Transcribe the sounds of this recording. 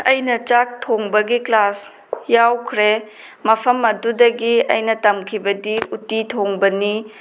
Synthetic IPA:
ɐjnɐt͡ʃak̚tʰoŋbɐɡiklas | jawkʰɾe | mɐpʰɐmɐdudɐɡiɐ̰jnɐtɐmkʰibɐdiutitʰoŋbɐni

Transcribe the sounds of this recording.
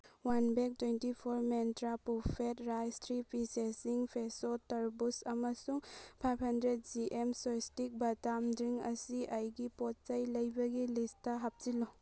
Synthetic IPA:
wanbek̚twejntipʰoɾmentɾapupʰetɾajstɾipisesiŋpʰesotɐɾbusɐmɐsuŋpʰajpʰhɐndɾet̚d͡ʒiʔemsojstik̚bɐtamdɾiŋɐsiʔɐjɡipɔtt͡ʃɐjlɐjbɐɡilisttɐɦap̚zilo

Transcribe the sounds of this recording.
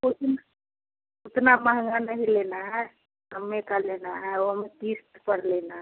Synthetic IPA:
ʊt̪na | ʊt̪naməɦə̃ŋɡanəɦilenaɦɛ | ɦəmːekalenaɦɛoɦmet̪ist̪pəɽlenaɦɛ

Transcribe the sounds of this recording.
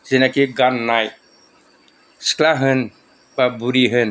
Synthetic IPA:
zinakiɡanːaj | sklaɦɯn | babuɾiɦɯn

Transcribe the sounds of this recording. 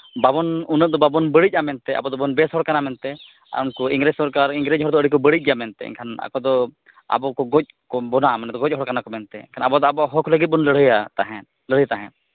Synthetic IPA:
babɔnunət̪̚d̪ɔbabɔnbəɽic̚amɛnt̪ɛʔa̰bɔd̪ɔbɔnbɛsɦɔɽkanamɛnt̪ɛ | a̰unkɔiŋɡɾɛsɔɾkaɾiŋɡɾɛd͡ʒɦɔɾd̪ɔəɽikɔbəɽitc̚ˀɡjamɛnt̪ɛ̰ɛ̰ɲkʰana̰kɔd̪ɔ | a̰bɔkɔɡɔc̚kɔbɔnamɛnɛd̪ɔɡɔc̚ˀɦɔɽkanakɔmɛnt̪ɛḭɲkʰanabɔd̪ɔabɔɦɔkʰləɡit̪̚bɔnləɽ̤əjat̪aɦɛ̃t̪̚ | ləɽ̤əjt̪aɦɛ̰̃t̪̚

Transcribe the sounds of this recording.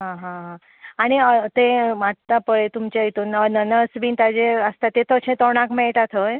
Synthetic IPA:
ɦãɦãɦã | aɽ̃iət̪eʋaʈ̚t̪apəɭet̪umt͡ɕejt̪uːnənənəsbiːnt̪ad͡ʑeəst̪at̪ːet̪ət͡ɕʰẽt̪ɔɽ̃akmɛɭʈat̪ʰəj

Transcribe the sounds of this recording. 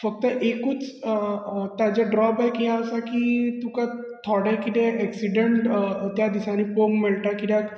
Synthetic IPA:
fək̚t̪əʔekuːt͡s | t̪jat͡ɕeɖɾɔbajkiɦaəsakit̪ũka | t̪ʰɔɽakit̪ẽɛksiɖeɳʈt̪jad̪isanipoɡmilʈakit̪jãk

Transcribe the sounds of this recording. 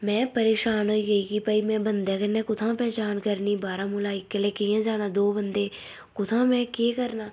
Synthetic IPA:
mɛ̃ːpəɾeːʃaːnɦoːiːɡəiːkɪpəːiːmɛ̃ːbənd̪eːkənɛ̃ːkʊt̪ʰãːpɛːt͡ʃaːnkəɾniːbaːɾãːmʊlaːɪkːəleːkɪjãːd͡ʒaːnaːd̪oːbənd̪eː | kʊt̪ʰãːmɛ̃ːkeːkəɾnaː

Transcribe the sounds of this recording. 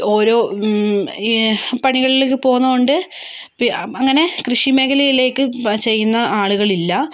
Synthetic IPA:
o̞ːɾo̞ː | pɐɳiɣɐɭilek̬ːɨpo̞ːɣunːɐɣoɳɖɨ | piɐŋːɐne̞krɨʂime̞ɣɐlɐjile̞ːkːɨt͡ɕe̞jːunːɐʔaːɭuɣɐɭilːɐ

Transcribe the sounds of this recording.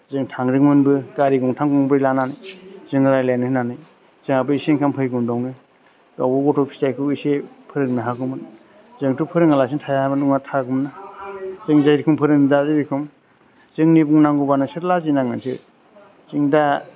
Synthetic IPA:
zɯŋtʰaŋɾɯŋmɯnbɯkaɾiɡɔŋtʰaŋkuŋŋbɯjlananɯjzɯŋɾajlajnɯhɯnanɯj | z̥ɯŋabɯiseŋkʰampʰɯjɡumdɔwnɯ | da̰wbuɡɔtʰɔk̚pʰi̥tajkʰɯisepʰɯɾɯŋnaɦakʰɯmɯn | zɯŋtupʰɯɾɯŋalas̬intʰajaabanuŋatʰaɡumnazɯŋzajɾikʰɯmpʰɯɾɯŋnidazibikʰɯm | zɯŋnibuŋnaŋɡubanɯsɯɾlazinaŋɯnsɯ̰ | zɯŋda

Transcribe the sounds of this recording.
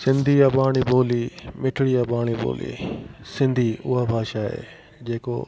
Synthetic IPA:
sɪ̃nd̪ʱiabaːɽ̃iboːlimɪʈʰɪɽiabaːɽ̃ibo̰ːlḭsɪ̃nd̪ʱiʊɦabʱaːʃaɦḛː | d͡ʑeːko̰

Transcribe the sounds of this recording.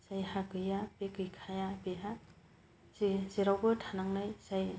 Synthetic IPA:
sajhakɯjapekɯjkʰajabeɦa | siziɾawbɯtʰanaŋnajsaj

